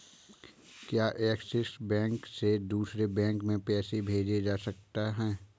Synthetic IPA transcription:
kjaːʔɛːksɪsbɛ̃ːŋksed̪uːsɾebɛ̃ːŋkmẽpɛːsebʱeːd͡ʒed͡ʒaːsɐk̚t̪aɦɛ̃ː

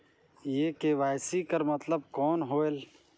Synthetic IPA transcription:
jekebajsikəɾmət̪ləb̚kɔnɦoel

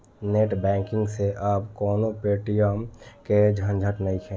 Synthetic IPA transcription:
neːʈbɛ̃ːŋkɪ̃ŋɡseʔaːpkɔːnopeːʈijəmked͡ʒʱə̃nd͡ʒʱəʈnəĩkʰɛ̃

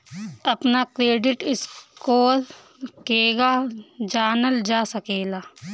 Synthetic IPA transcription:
ɐpnakɾeːɖɪʈɪskoːl | keːɡad͡ʒaːnəld͡ʒaːsəkeːlaː

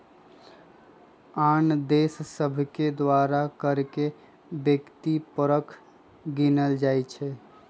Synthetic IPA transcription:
and̪essəbʱked̪waɾakəɾke | bjəkt̪ipəɾəkʰ | ɡinəld͡ʒajt͡ʃʰɛ

